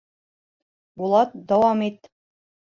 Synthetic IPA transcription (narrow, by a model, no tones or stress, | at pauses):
bulˠɑt̪̚d̪æwɑmit̪